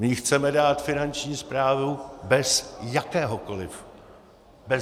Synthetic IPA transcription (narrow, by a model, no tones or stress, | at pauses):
mɪxt͡sɛmɛdaːt̪fɪnant͡ʃɲiːspɾaːvubɛsjakɛːɦoko̞lɪf | bɛ